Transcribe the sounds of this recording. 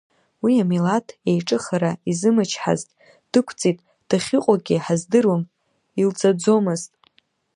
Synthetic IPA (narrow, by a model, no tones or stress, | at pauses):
wiamilatʰejʈ͡ʂʼɨχaɾaizɨmɨt͡ʃʰħa̰ztʼ | d̥ɨkʷʰt͡sʼitʼ | d̥aχʲɪqʷʼaɡʲiħazdɨrwam | ilt͡sʼad͡zo̞mɨztʼ